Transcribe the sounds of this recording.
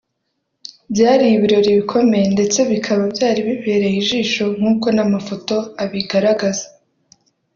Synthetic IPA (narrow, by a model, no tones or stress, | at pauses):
bjaːɾijiβiɾo̞ɾiβikʰo̞me̞jende̞t͡se̞βikʰaβabjaːɾiβiβeːɾe̞jiʒiːʃo̞ŋ̥uːko̞namafo̞to̞aβiɡaɾaɡazḁ